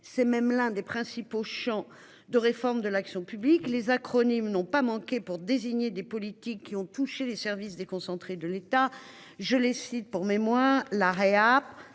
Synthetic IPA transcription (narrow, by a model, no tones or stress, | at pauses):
sɛmɛmlɛ̃d̪epχɛ̃sipoʃɑ̃ | d̪əʁefɔʁmd̪əlaksjɔ̃pybliklezakχɔnimnɔ̃pamɑ̃kʲepuʁd̪eziɲed̪epɔlit̪ikʰːiɔ̃t̪uʃelesɛʁvis̬d̪ekɔ̃sɑ̃t̪χed̪əlet̪a | ʒəlesit̪̚puʁmemwaʁlaʁeap